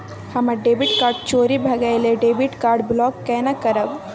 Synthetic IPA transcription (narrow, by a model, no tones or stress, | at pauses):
hɐməɖeːbiʈkaːɾɖ̚t͡ʃoːɾibʱɐɡajleɖeːbiʈkaːɾɖblɔːkːɛnakəɾəb